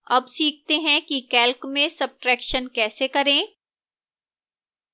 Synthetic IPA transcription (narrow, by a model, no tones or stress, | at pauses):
ɐbsiːk̚ʰt̪eɦɛ̃kikɛːlkmẽsɐb̚ʈɾɛːkʃənkɛːsekɐɾẽː